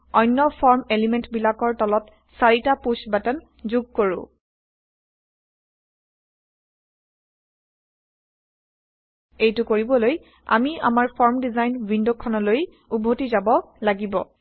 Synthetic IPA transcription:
ɔjnːɔpʰɔɹmelimentbilakɔɹtɔlɔt | saɹitapusbatan | zuɡ̚koɹʊ̰̃ | ejtʊkoɹibɔloj | a̰mia̰maɹpʰɔɹmdizajnvindokʰːɔnɔloj | ubʱotizabɔ | laɡibɔ̰

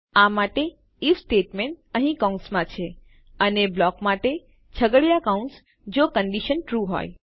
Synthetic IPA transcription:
amaʈe | ifsʈeʈmẽɳʈəɦĩkaũɳʈsmãt͡ʃʰe | əneblɔkmaʈe | t͡ʃʰəɡəɭjakaũɳʈs | d͡ʒokəɳɖiʃənʈɾuɦo̰j

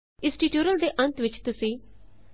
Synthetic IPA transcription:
ɪ̃sʈiːʈjuːɾəld̪eːʔənt̪ʋɪt͡ʃt̪ʊsĩː

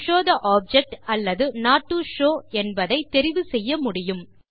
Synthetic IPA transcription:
ʃoːðɐʔaːp̚d͡ʒɛk̚ʈɐlːɐðɯnaːʈːuʂoːɛnbɐðɐɪt̪ːɛɾɪʋɯsɛjːɐmʊɽɪjɯm

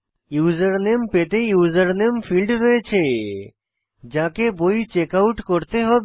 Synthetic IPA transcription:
juzəɾnempet̪ejuzəɾnemfʰilɖɾɔet͡ʃʰe | d͡ʒãkebojt͡ʃekawʈkɔɾt̪eɦɔb

